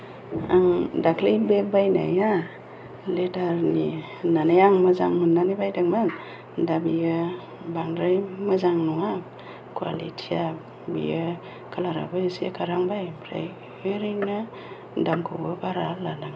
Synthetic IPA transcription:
aŋdakʰlejbebajna̰ja | ledaɾni | nanajaŋməzaŋmɯnːanibajdaŋman | dabija | baŋdɾajməzaŋnɔŋa | kʰwa̰lḭtʰia | bḭja | kʰalaɾa̰bɯsija̰kʰaɾaŋbajpʰɾa̰j | ɯɾina | daŋkʰṵɡɯbaɾalanaŋ

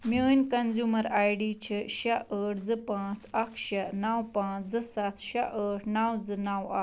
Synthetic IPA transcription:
mənʲkənzuməɾajɽit͡ɕʰəɕaʔəʈʰd͡zəpãt͡sakɕanawpãt͡sd͡zəsat̪ɕaʔəʈʰnawd͡zənawa̰

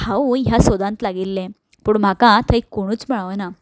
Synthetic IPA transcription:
aujasɔd̪ãnt̪laɡilːẽ | puːɳm̤akãt̪ʰəikoɽ̃uːt͡sm̤əɭaʋna

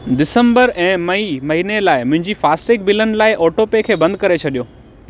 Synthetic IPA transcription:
ɖɪsə̃mbəɾɛ̃ːmɐimɐɦiːnelaːɪmʊ̃ɦɪ̃ɲd͡ʑifaːsʈeːk̚bɪlənɪ̆laːɪʔɔːʈopekʰeːbɐ̃nd̪kɐɾet͡ɕʰɐɗijoː

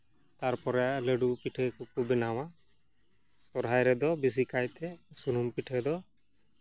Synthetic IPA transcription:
t̪aɾpɔɾɛaʔləɖupiʈʰəkɔkubɛnawa | sɔɾɦajɾɛd̪ɔbis̬ikajt̪ɛsunumpiʈʰəd̪ɔ

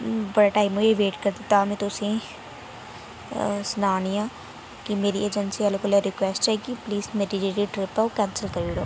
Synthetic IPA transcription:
bəɽaʈaːimueʋeːʈkəɾd̪it̪aːmẽt̪ʊsẽ | sʊnaːniãː | kimeːɾieːd͡ʒənsialokoleɾɪkʋɛːsʈt͡ʃaiɡipliːzmeːɾid͡ʒiʈiʈɾɪpaokɛ̃ːnsəlkəɾiːɽoː

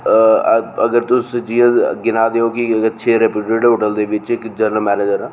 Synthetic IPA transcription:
əɡəɾt̪ʊsət͡ʃd͡ʒiːãːɡɪnaːd̪eːõːkiətːʃʰeːɾɛpiːʈeːɖɦoːʈəld̪eːʋɪt͡ʃɪkd͡ʒənəlmɛːneːd͡ʒəɾɛː

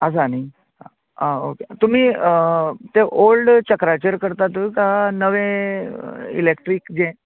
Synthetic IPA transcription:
əs̬ani | ɦa | ɦãoket̪um̤iː | t̪eʔolɖt͡ɕəkɾat͡ɕəɾkəɾt̪at̪əkaɦanəʋẽ | ḭlekʈɾikd͡ʑẽ

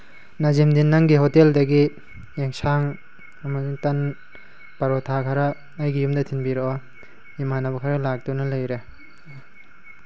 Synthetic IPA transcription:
nazimdinːɐŋɡiɦoteldɐɡi | jeŋsaŋ | ɐmɐsuŋtɐn | pɐɾotʰakʰaɾɐː | jɡijumdɐtʰinbiɾɔɔ | imanɐbɐkʰaɾɐlak̚tunɐlɐjɾe

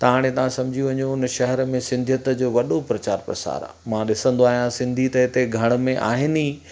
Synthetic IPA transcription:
t̪ɐʋaːɽ̃ẽt̪ɐʋ̤ãsɐ̃md͡ʑʱiuʋɐɲũʊnʃɐɦɛɾmẽsɪ̃nd̪ʱjət̪əd͡ʑoːʋɐɗopɾɐt͡ɕaːɾpɾɐ̰sa̰ːɾa̰mãɗɪsə̃nd̪oaːɦijãsɪ̃nd̪ʱit̪ɐɦɪt̪eɡʱɐɽ̃ʊ̆mẽʔa̰ːɦɪni

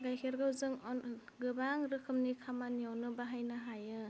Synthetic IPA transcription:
ɡajkʰeɾɡawzɯŋɡɯbaŋɾɯkʰɯmnikʰamanijawnɯbaɦajnaɦajɯ

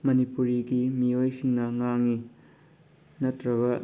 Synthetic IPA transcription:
mɐnipuɾiɡimiojsiŋnɐŋaŋːi | nɐtɾɐβɐ

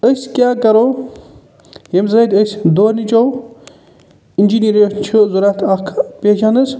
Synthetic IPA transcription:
əsʲkʲjaːkɐɾo | ɦemzɐd̪ɐsʲd̪oːnit͡ʃow | ind͡ʒiniɾoʃnt͡ʃʰuzuɾat̪ʰakʰpet͡ʃʰanɨs

